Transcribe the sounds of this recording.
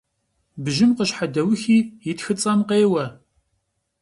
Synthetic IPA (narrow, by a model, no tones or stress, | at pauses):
bʒɪmqəɕħadɐwʊxiːjɪtxɨt͡sʼɐmqeːwɐ